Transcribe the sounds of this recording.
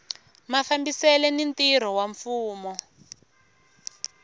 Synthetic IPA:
mafambisɛlɛnintiɾ̤ɔwaɱfuːmɔ

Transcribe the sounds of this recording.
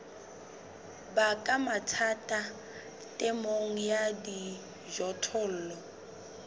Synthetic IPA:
bakʼamatʰatʼa | tʼɛmoŋ̩jadi | ʒɔtʰʊl̩ːlɔ

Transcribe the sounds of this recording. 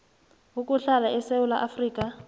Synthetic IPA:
ɦukʼuɬalaɛseʊla̰ʔafriːkʼa

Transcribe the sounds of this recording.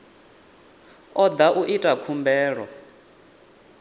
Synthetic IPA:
ɔd̪aʔuʔitʼakʰumbɛːɺɔ

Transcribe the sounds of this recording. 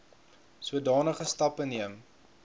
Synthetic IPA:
suədɑːnəχəstɐpəniəm

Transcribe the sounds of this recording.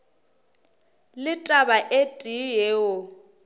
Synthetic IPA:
lɪtʼabaʔetʼijeːʊ

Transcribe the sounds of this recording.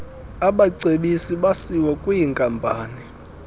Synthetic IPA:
aɓaǀeɓisiɓasiwɔkʼwijiŋkʼampʼaːni

